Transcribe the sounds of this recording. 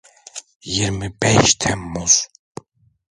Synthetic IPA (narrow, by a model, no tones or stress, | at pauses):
jiɾmibɛʃt̪ʰɛmːuz̥